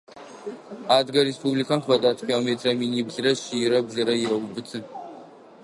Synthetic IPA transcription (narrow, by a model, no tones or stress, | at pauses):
aːdɡɐɾespʰublikʰantʰvɐdaːtʰkʰʲilometʰrɐminibɮrɐʃiɾɐbɮɐɾɐjiɾɐwbɨt͡sʰɨn